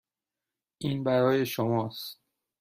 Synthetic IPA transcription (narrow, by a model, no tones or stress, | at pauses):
ʔiːnbæɾɒːje̞ʃomɒːst̪̚